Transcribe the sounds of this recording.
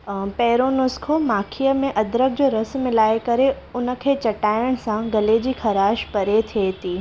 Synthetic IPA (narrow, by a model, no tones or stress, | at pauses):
pɛːɾonʊskʰomaːkʰijəmẽʔɐd̪ɾək̚d͡ʑoːɾɐsmɪlaːekɐɾe | ʊnə̆kʰeːt͡ɕɐʈaːjəɽ̃sãɡɐled͡ʑiːkʰɐɾaːʃpɐɾet̪ʰeːt̪iː